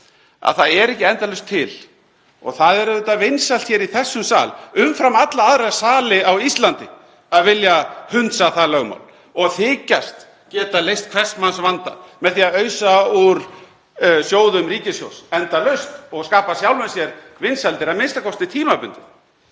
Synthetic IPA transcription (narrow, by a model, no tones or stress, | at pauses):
a̰ðθaðɛɾɛhcɪɛnt̪alœɥst̪ʰːɪl | ɔ̰ɣθaðɛɾʏt̪ːavɪnsal̥t̪çɛːɾiθɛsːʏmsa̰ːlʏmfɾamat̪laaðɾasaːlɪawist̪lant̪ɪ | aðvɪljahʏnt̪saθalœːɣma̰ːwl | ɔɣθɪːcast̪ | cɛːt̪alejst̪̚kʰvɛsmansvant̪a̰mɛðθiːaðœːɥsauɾ̥ | sjoːwðʏmriːcɪsjo̰wsɛnt̪alœɥst̪ɔɣskaːpasjawlmɛðsjɛɾ | vɪnsalt̪ɪɾaðmɪnst̪akʰɔst̪ɪt̪ʰiːmapʏnt̪ɪθ